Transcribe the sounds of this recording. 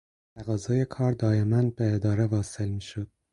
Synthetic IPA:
t̪ʰæɣɒːzɒːjekʰɒːɾd̪ɒːemænbeːd̪ɒːɾe̞vɒːse̞lmiːʃod̪̥̚

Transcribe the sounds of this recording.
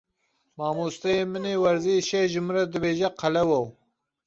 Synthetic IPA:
maːmust̪ɐjemɨnewɐɾziʃeʒɨmɾɐd̪ɨbeːʒɐqɐlɐwɐw

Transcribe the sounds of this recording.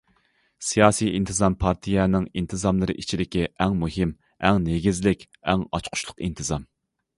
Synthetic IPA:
sijɑːsijint̪ʰɨzɑmpʰɑɾt̪ʰijɛnɪŋint̪ʰɨzɑmlˠɨɾɨ̰ʔit͡ʃʰid̪ɪkʲiʔɛŋmuɦɪm | ɛŋneɡʲizlɪkʲ | ɛŋɑ̰t͡ʃqʰʊ̥ʃlˠʊ̥qint̪ʰɨzɑm

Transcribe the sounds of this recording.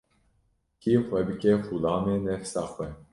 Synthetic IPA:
kixʷɛbɨkʲɛxulɑːmenɛfsɑːxwɛ

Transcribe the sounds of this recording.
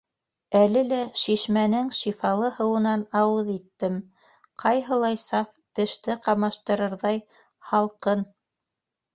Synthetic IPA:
ælɘlæʃiʃmænɘŋʃifɑlˠɤhɤ̆wɤ̆nɑnɑwɤðit̪ːɘm | qʰɑjɦɤ̆lˠɑjsɑft̪ɘ̆ʃt̪ɘqɑmɑʃt̪ɤ̆ɾɤ̆ɾðɑj | hɑlˠqɤn

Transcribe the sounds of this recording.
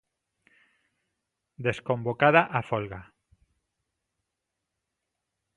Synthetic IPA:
d̪eskombokaðaʔafolɣa

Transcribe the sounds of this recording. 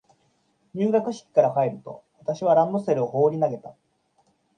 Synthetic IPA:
ɲʲɨːɡakɯ̟ɕi̥kʲi̥kaɾakaeɾɯ̟t̪o̞̰βat̪aɕiβ̞aɾãnd̪ose̞ɾɯ̟o̞ho̞ːɾʲinaɡe̞t̪a

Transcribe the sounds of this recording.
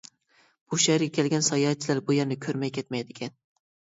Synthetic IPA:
b̥uʃæɾɡʲɛkʲʰɛlɡʲɛnsɑjɑt͡ʃʰilæɾbujeɾnɪkʲʰøɾmɛjkʲʰɛt̪mɛjd̪ɪkʲʰɛn

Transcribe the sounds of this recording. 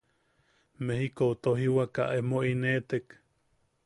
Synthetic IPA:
mehikout̪oɦiwaka̰ʔemoinet̪ek

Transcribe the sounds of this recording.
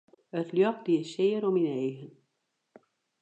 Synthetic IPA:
ətljɔxdiəsɪːəɾɔmineːɣən

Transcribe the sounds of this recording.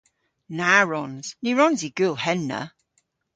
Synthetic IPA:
naɹɔnz̥niɹɔnziɡ̥ʉlˠhɛnːə̰

